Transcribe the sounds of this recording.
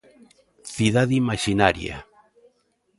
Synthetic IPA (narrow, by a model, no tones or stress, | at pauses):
θiðaðimaʃinaɾja̰